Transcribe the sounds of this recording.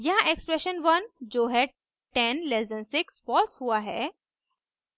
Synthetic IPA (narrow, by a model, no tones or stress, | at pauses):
jɐɦãʔekspɾeʃənʋənd͡ʑoːɦɛ | ʈenlezdə̃nsɪksfɔlshuaɦɛ̰